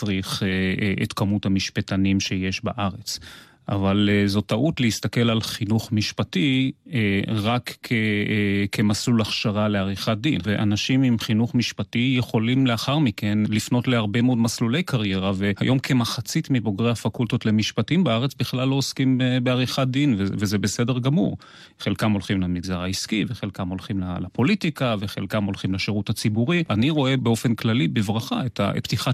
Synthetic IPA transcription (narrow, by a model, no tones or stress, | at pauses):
t͡sʁiχeḛtkamuthamiʃpetanimʃe̞je̞ʃbaʔaʁet͡s | avalzo̞taʔutleist̪ake̞lalχinuχmiʃpatieʁakʰekʰemasulaχʃaʁale̞aʁiχat̚d̪inveʔa̰naʃimimχinuχmiʃpatijeχo̞limleaχaʁmike̞nlifno̞tleaʁbemeo̞dmaslule̞jkaʁjeʁave̞ha̰jʔo̞mkʰe̞maχat͡sitmibo̞ɡʁejhafakult̪otle̞miʃpatimbeaʁet͡sbiχlalːo̞oskimbeaʁiχad̪invevezebese̞de̞ʁɡamṵʁ | χe̞lkamolχimlamiɡzaʁaiskiveχelkamo̞lχimlalapo̞litikaveχe̞lkamo̞lχimleʃeʁutat͡sibuʁianiʁo̞e̞beo̞fe̞nklalibevʁaχaeta̰pt̪iχa